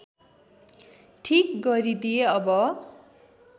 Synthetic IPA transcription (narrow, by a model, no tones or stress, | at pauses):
ʈʰikɡʌɾid̪ijeʌbʌ